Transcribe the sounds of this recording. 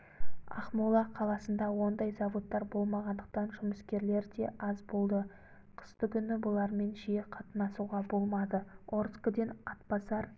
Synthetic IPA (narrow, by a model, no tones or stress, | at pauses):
ɑ̰χmulˠɑqʰɑlˠɑsənd̪ɑwo̞nd̪ɑjzɑvot̪ːɑɾbo̞lˠmɑʁɑnd̪əq̚t̪ɑnʒʊməskʲe̞ɾle̞ɾd̪e̞ʔɑzbo̞lˠd̪ə | qʰə̥st̪ʏkʲʏnɪbʊlˠɑɾme̞nʒijeqʰɑt̪ənɑsuʁɑbo̞lˠmɑd̪əoɾskəd̪enɑt̪pɑsɑɾ